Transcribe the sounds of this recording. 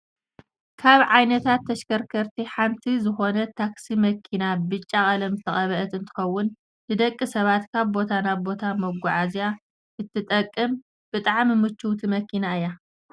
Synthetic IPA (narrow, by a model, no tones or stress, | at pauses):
kʰaβʕajnɐt̪ʰat̪ːɐʃkɐɾkʰɐɾt̪ʰiħamt̪ʰizɨxo̞nɐt̪ʰaksimɐkʰinabɨt͡ʃʼːakʼɐlɐmt̪ʰɐxʼɐβɐʔɐt̪ɨnt̪ʰɨ̥xɐwːʊn | dɨd̪ɐkʼːisɐβat̪kʰaβbo̞t̪ʰanaβbo̞t̪ʰamɐɡʷʊʕazja | ʔɨt̪ʰːɨt̪ʼɐkʼːɨm | b̥ɨt̪ʼaʕmimɨt͡ʃːuwt̪ʰimɐkʰinaɨja